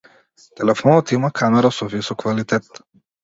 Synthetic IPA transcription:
t̪ɛlɛfɔnɔt̪imakʰamɛɾasɔvisɔkːvalit̪ɛt̪

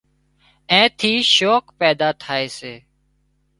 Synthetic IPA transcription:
ɛ̃ːt̪ʰiːʃoːkpɛːd̪aːt̪ʰaːeːseː

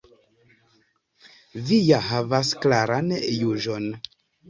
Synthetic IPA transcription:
vijaɦavasklaɾanjuʒon

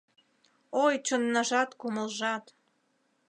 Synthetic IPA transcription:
ojt͡ɕənːɑʒɑt̪kuməlʒɑt̪

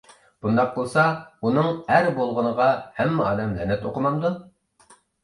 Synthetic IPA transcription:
b̥und̪ɑq̚bolˠsɑunɨŋæɾbolˠʁənəʁɑhɛmːɪɑ̰ːd̪ɛmlɛnɛt̪oqəmɑmd̪u

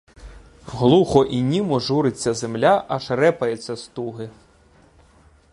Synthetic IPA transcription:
ɦlˠuxɔʔinʲimɔʒuɾɪt͡sʲːɐzemlʲaʔɐʃɾɛpɐjet͡sʲːɐst̪uɦɪ

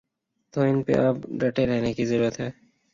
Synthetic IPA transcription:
t̪oːɪnpḛʔɐbɖɐʈeɾɛɦnekizəɾuːɾət̪ɦɛː

